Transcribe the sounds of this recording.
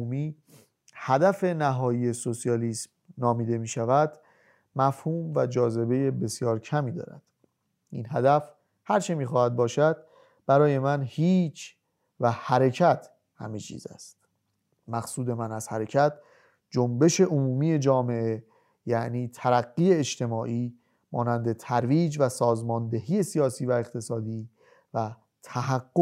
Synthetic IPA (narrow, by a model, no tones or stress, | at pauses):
umiː | hæd̪æfe̞næɦɒːjiːje̞so̞sijɒːliːsm | nɒːmiːd̪e̞miːʃævæd̪̥ | mæfhuːmvæd͡ʒɒːze̞be̞je̞be̞sjɒːɾcʰæmiːd̪ɒ̰ːɾæ̰d̪̥ | ḭnɦæd̪æf | hæɾt͡ʃʰemiːxɒːhæd̪̚bɒːʃæd̪̥̚ | b̥æɾɒːje̞mænhiːt͡ʃʰ | væhæɾe̞cʰæt̪ʰ | hæ̰met͡ʃʰḭːzæ̰st̪̚ | mæxsuːd̪e̞mænæz̥hæɾe̞cʰæt̪ʰ | d͡ʒombe̞ʃe̞ʔomuːmiːje̞d͡ʒɒːme̞ʔe | jæʔniːt̪ʰæɾæɡːiːeːʃt̪ʰe̞mɒːʔiː | mɒːnænd̪e̞t̪ʰæɾviːd͡ʒvæsɒːzmɒːnd̪e̞ɦiːjesijɒːsiːvæe̞qt̪ʰe̞sɒːd̪iː | væ | t̪ʰæɦæɡːo